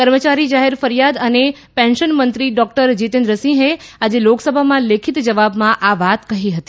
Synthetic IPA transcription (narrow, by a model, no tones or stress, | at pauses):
kəɾmət͡ʃaɾid͡ʒaɦeɾfəɾijad̪əne | pɛ̃nʃənmənt̪ɾiɖɔk̚ʈəɾd͡ʒit̪ẽnd̪ɾəsĩɦead͡ʒeloksəbʱamãlekʰit̪d͡ʒəʋabmãʔaʋat̪kəɦiɦət̪i̥